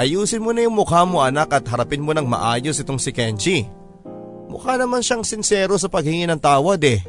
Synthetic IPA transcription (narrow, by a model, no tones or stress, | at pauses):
ʔɐjuːsɪnmonɐjʊŋmʊkamoʔɐnakʔɐt̪̚ɦɐɾɐpɪnmonɐŋmɐ̰ʔaːjosʔɪt̪oŋsɪkɛnt͡ʃi | mʊ̰kanɐmanʃaŋsɪnsɛːɾos̬ɐpɐɡ̚hɪŋɪnɐŋt̪aːwɐd̪ɛ